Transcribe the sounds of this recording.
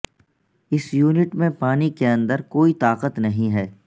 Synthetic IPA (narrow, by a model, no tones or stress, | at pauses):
ɪsjuːnɪʈmẽpaːnikeɐ̃nd̪əɾkoːit̪aːqət̪nɐɦĩɦɛː